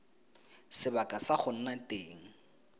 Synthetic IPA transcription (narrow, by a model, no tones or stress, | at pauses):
sɪbakʼasaχʊn̩natʼeːŋ̩